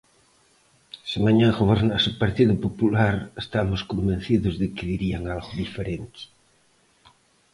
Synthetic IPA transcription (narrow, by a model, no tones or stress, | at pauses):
simaɲãɣoβeɾnasepaɾt̪iðʊpopulaɾest̪amoskombẽn̟θiðozðekeðiɾiaŋalɣoðifeɾent̪ɪ̥